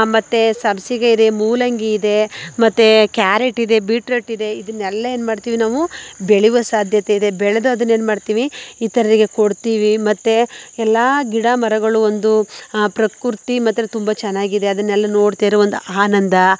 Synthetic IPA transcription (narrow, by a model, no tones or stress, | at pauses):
mɐt̪ːesɐbsiɡɐid̪e̞muːlɐŋɡiid̪e̞mɐt̪ːekjaːɾeʈid̪e̞biːʈɾeʈːid̪e̞id̪ɐnːɛlːɐeːnmaːɖt̪iːʋinaːʋubeɭiʋɐsaːd̪ʱjɐt̪eid̪e̞bɛɭɐd̪uɐd̪ɐnːe̞ːnmaːɖt̪iːʋiit̪ɐɾɐɾiɡe̞koɽt̪iːʋimɐt̪ːeɛlːaːɡiɽɐmɐɾɐɡɐɭuond̪upɾɐkuɾt̪imɐt̪ːɾet̪umbɐt͡ʃɛnːaːɡid̪e̞ɐd̪ɐnːɛlːɐno̞ːɽt̪iɾeʋond̪uaːnɐnd̪ɐ